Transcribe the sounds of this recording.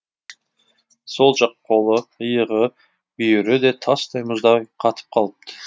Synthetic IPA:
so̞lˠʒɑq̚qʰo̞lˠəəjəʁə | ʏjʏɾɪd̪e̞t̪ʰɑst̪ɑjmʊzd̪ɑjqʰɑt̪ʰə̥p̚qʰɑlˠəp̚t̪ʰə

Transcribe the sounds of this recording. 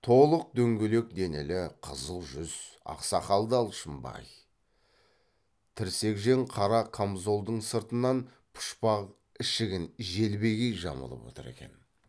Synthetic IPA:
t̪ʰo̞lˠəq̚d̪ɵŋɡʲele̞k̚d̪e̞nelɪqʰəzəlˠʒʏz̥ɑ̰qsɑχɑlˠd̪ɑlˠʃəmbɑ̰j | t̪ʰɪɾse̞kʒe̞ŋqʰɑɾɑkʰamzo̞lˠd̪əɴsəɾt̪ənːɑn | pʰʊ̥ʃpɑʁ | ɪʃɪɡʲɪnʒe̞lbe̞ɡʲejʒɑ̰mə̰lˠə̰pwo̞̰t̪ə̰ɾe̞̰kʲe̞̰n

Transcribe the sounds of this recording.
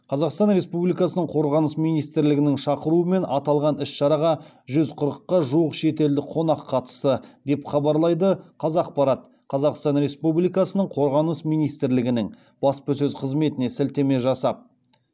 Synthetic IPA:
qʰɑzɑqst̪ɑnɾe̞spublijkɑsənəɴqʰo̞ɾʁɑnəsmijnijst̪ɾlɪɡʲɪnɪŋʃɑqəɾuəme̞nɑt̪ɑlˠʁɑnɪsʃɑɾɑʁɑ | ʒʏzqʰʊɾəqːɑʒuəqʃe̞t̪e̞ld̪ɪqʰo̞nɑqʰːɑt̪ə̥st̪əd̪e̞pχɑbɑɾlˠɑjd̪əqʰɑzɑq̚pɑɾɑt̪̚ | qʰɑzɑqst̪ɑnɾe̞spublijkɑsənəɴqʰo̞ɾʁɑnəsmijnijst̪ɪɾlɪɡʲɪnɪŋ | b̥ɑspəs̬ɵzqʰəzme̞t̪ɪne̞sɪlt̪e̞me̞ʒɑsɑp̚

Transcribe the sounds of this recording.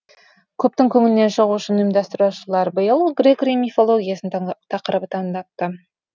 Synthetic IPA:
kʲʰɵp̚t̪ɪŋkʲʰɵŋɪlɪne̞nʃəʁuʃənɪmd̪ɑst̪ɪɾuʃəlˠɑɾbəjəlˠɡrʲekɾimifo̞lˠo̞ɡʲijasənt̪ʰɑqəɾəbət̪ʰɑŋd̪ɑp̚t̪ə

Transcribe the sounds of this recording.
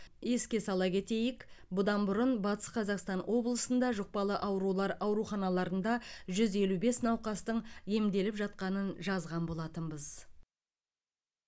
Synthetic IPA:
je̞skʲe̞sɑlˠɑkʲe̞t̪e̞jɪkbʊd̪ɑnbʊɾənbɑt̪ə̥sqʰɑzɑqst̪ɑnwʔo̞blˠəsənd̪ɑʒoq̚pɑlˠəʔɑwɾulˠɑɾɑwɾuχɑnɑlˠɑɾənd̪ɑʒʏze̞lube̞snɑwqɑst̪əɴje̞md̪e̞lɪpʒɑt̪̚qɑnənʒɑzʁɑnbo̞lˠɑt̪əmbəz

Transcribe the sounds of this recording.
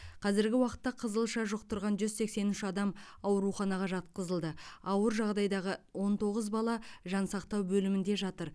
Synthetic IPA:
qʰɑzɪɾɡʲɪwɑqə̥t̪ːɑqʰəzəlˠʃɑʒʊqt̪ʊɾʁɑnʒʏzse̞kse̞nʏʃɑd̪ɑmɑwɾuχɑnɑʁɑʒɑt̪̚qəzəlˠd̪əɑwəɾʒɑʁd̪ɑjd̪ɑʁəwo̞nt̪ʰo̞ʁəzbɑlˠɑʒɑnsɑqt̪ɑwbɵlɪmɪnd̪e̞ʒɑt̪əɾ

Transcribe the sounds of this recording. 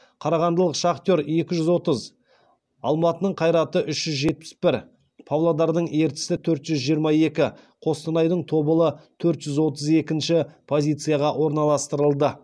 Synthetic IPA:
qʰɑɾɑʁɑnd̪əlˠəqʃɑqt̪jo̞ɾe̞kʲɪʒʏzwo̞t̪əz | ɑ̰lˠmɑt̪ənəɴqʰɑjɾɑt̪əʔʏʃʒʏzʒe̞t̪̚pɪ̥sbɪɾ | pʰowlˠod̪ɑɾd̪əɴe̞ɾt̪ɪ̥sɪt̪ʰɵɾt̪ʒʏzʒijəɾmɑe̞kʲɪqʰo̞st̪ənɑjd̪əɴt̪ʰo̞bəlˠət̪ʰɵɾt̪ʒ̥ʏzwo̞t̪əze̞kʲɪnʃɪpʰo̞zʲijt̪sɨjɑʁɑwo̞ɾnɑlˠɑst̪əɾəlˠd̪ə

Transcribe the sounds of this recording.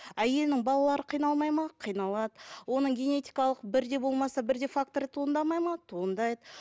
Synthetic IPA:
æje̞lnɪŋbɑlˠɑlˠɑɾəqʰijnɑlˠmɑjmɑqʰijnɑlˠɑd̪əwo̞nəɴɡʲe̞ne̞t̪ʲijkɑlˠəq̚bɪɾd̪e̞bo̞lˠmɑsɑbɪɾd̪e̞fak̚t̪o̞ɾt̪ʰuənd̪ɑmɑjmɑt̪ʰuənd̪ɑjd̪ə

